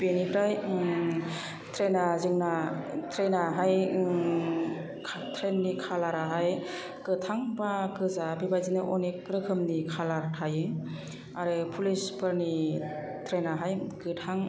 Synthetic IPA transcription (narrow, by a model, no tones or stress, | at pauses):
benipɾaj | tʰɾenazɯŋnatʰɾenaɦaj | tʰɾenːikʰalaɾaɦaj | kɯtʰaŋbakɯzabibajzinɯʔɔnekɾɯkʰɯmnikʰalaɾtʰajɯ | aɾɯpʰulispʰɯɾni | tʰɾenaɦajkɯtʰaŋ